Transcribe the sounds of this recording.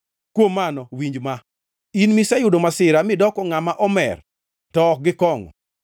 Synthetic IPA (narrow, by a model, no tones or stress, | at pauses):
kwomːanɔwiɲd͡ʒma | inmisajʊdomasɪɾamɪdɔkɔŋamaʔɔmɛ̰r | tɔk̚ɡɪkɔŋɔ̰